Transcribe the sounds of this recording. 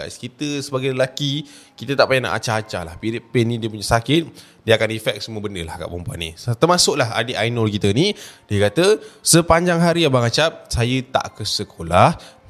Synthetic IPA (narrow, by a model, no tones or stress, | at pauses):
a̰ʔskit̪əsəbaɡajləlaki | kit̪ət̪aʔpajana̰ʔa̰t͡ʃaat͡ʃala̰hpiɾɪʔpɛnĩdiəp̬uɲasakɪt̪̚ | diəakanifɛk̚səmũəbəndəlahka̰ʔbumpua̰nḭt̪ərmasʊʔlaɦa̰dəʔajnɔlk̬it̪ənidiəkat̪əsəpaɲd͡ʒaŋɦaɾijabaŋat͡ʃap̚sajət̪a̰ʔkəsəkʰolah